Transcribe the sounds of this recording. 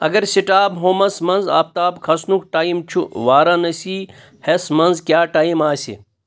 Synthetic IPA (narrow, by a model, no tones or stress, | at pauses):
ɐ̰ɡɐɾsiʈaːbɦoːmɐsmɐnza̰ːp̚t̪aːbkʰɐsnukʈaːimt͡ʃʰuʋaːɾanɐsiː | hesmɐnzkjaːʈaːimaːsḭ